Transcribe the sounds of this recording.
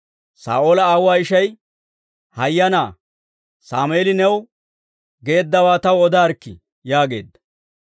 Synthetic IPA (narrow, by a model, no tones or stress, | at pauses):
sa̰ːʔolɐaːwaːɪʃɐj | hɐjːɐnaː | saːmeːlɪnɛw | ɡe̞ːd̪ːɐwaːt̪ɐwɔd̪aːɾkːɪ̰ | jaːɡe̞̰ːd̪ːɐ̥